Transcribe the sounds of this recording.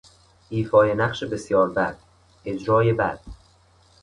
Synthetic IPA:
ʔiːfɒːjenæχʃebe̞sjɒːɾbæd̪̥̚ | e̞d͡ʒɾɒːje̞bæ̰d̪̥

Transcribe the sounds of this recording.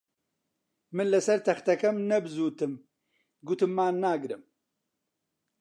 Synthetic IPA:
mɨnlɐsɐɾt̪ʰɐxt̪ɐkɐmnɐbɨzuːt̪ɨm | ɡut̪ɨmːaːnnːaːɡɨɾɨm

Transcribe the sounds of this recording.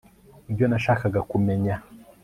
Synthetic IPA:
ibjonaʃaːkaɡakume̞ɲa

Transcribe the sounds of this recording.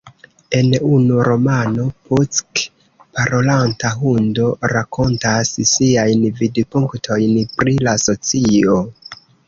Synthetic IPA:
e̞nunuɾo̞manopʰut͡sk | paɾo̞lantaɦundo̞ɾako̞ntassiajnvidpuŋktʰo̞jnpɾilaso̞t͡sio

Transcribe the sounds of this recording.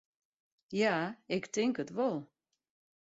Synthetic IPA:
jaɪktɪŋkətʋɔlˠ

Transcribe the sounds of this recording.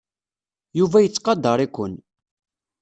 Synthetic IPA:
juvæjət͡sːqɑd̪ːɑɾˤikʷːən

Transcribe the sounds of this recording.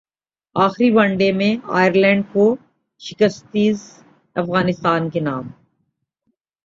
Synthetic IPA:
aːxɾibɐ̃ɳɖemẽa̰ːjəɾlɛ̃ːɳɖ̚ko | ʃɪkəst̪iːz | ɐfɣaːnɪst̪aːnkenaːm

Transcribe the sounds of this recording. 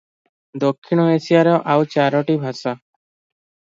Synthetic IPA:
d̪okʰːiñɔesijaɾɔʔawt͡ʃaɾɔʈibʱasa

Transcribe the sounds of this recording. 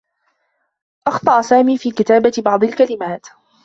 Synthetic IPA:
ʔɑxt̪ˤɑʔsaːmiːfiːkɪt̪aːbabɑʕd̪ˤɪlkalɪmaːt̪

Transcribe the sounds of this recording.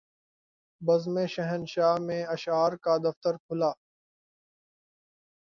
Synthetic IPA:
bəzmẽːʃəɦənʃaːmẽːɐʃaːɾkaːd̪ɐft̪əɾkʰʊlaː

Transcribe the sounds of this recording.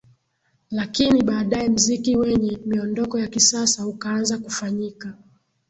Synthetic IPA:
lakiniɓaːɗaɛm̩zikiwɛɲɛmiɔndɔkɔjakisasaukaanzakufaɲika

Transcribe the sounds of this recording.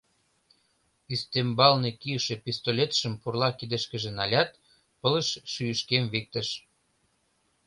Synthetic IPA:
yst̪embɑlnekiəʃepist̪olʲet̪ʃəmpurlɑkid̪əʃkə̆ʒĕnɑlʲɑt̪ | pələʃʃyjəʃkemvik̚t̪əʃ

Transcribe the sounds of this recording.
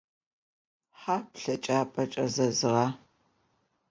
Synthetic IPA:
ħaːpɬɐt͡ʃʼaːpʼɐt͡ʃʼɐzɐzɨʁɑː

